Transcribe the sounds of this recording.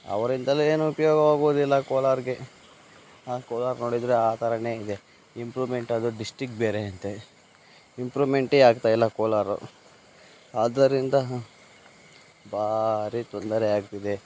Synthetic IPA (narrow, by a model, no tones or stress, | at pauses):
ɐ̰ʋɐɾind̪ɐlːieːnuupɐjoːɡɐʋaːɡoːd̪ilːɐkoːlaːɾɡe̞ | aːkoːlaːɾnoːɽid̪ɾeaːt̪aɾɐne̞ːid̪e̞ | impɾuːʋme̞ɳʈɐd̪uɖisʈɾikbeːɾeɐnt̪e | impɾuːʋme̞ɳʈaːɡ̚t̪aːjilːɐkoːlaːɾṵ | aːd̪ɐɾind̪ɐ | bʱaːɾit̪ond̪ɐɾɛaːɡ̚t̪id̪e